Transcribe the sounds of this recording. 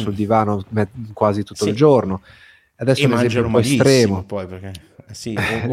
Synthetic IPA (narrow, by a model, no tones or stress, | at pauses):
suld̪ivaːnomɛkwaːzit̪ut̪ːoild͡ʒorno | ad̪ɛsːounezɛmjumpɔest̪ɾɛːmopɔjpeke | i